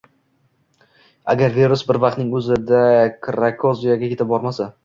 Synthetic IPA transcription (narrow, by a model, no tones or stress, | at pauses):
a̰ɡʲaɾveɾʊsbɪɾvɑq̚t̪nɪŋɵzɪd̪akʰɾakʰozijaɡʲakʲʰe̞t̪ɪb̚bɒɾmasa